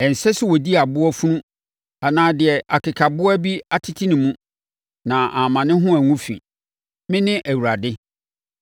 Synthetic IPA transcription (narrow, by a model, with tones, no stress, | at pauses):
ɛ˨n̩˨sɛ˦sʊ˦wɔ˨di˦a˨bʊ˦ɔ˦fũ˦nũ˦ | a˨nãː˨dɪ˨ɛ˨ʔa˨kʰɪ˨kʰa˨bʊ˦ɔ˦æ˦bi˦a˦tʰɪ˦tʰi˦nɪ̃˨mũ˦ | nã˨ʔa˨mã˨nɪ̃˦ɦʊ̃˦æ˨ŋũ˦fḭ̃˨ | mɪ̃˦nɪ̃˦ʔæ˨wu˨ɾa˨dɪ˦